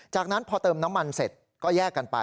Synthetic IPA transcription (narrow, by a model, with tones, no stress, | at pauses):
t͡ɕaː˨˩k̚na˦˥npʰɔː˧t̪ɤː˧mna˦˥mːa˧nse˨˩t̪̚ | kɔː˥˩jɛː˥˩kːa˧npa̰˧